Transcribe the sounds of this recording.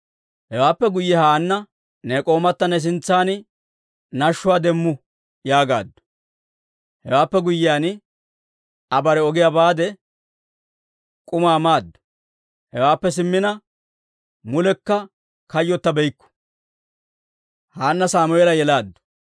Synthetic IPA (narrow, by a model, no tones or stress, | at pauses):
hɛwaːpːɛɡʊjːɛhaːnːɐ | neːkʼo̞ːmɐt̪ːɐnɛs̬ɪnt͡sːaːn | nɐʃːʊwaːd̪ɛmːʊ | jaːɡa̰ːd̪ːɔ̥ | hɛwaːpːɛɡʊjːɪjaːn | ɐbɐɾɛɔɡɪjabaːd̪ɛ | kʼʊmaːmaːd̪ːɔ̥ | hɛwaːpːɛs̬ɪmːɪnɐ | mʊlɛkːɐ | kɐjːɔt̪ːɐbɛjkːɔ̥ | haːnːɐsaːmʊɛlɐjɛlaːd̪ːʊ̥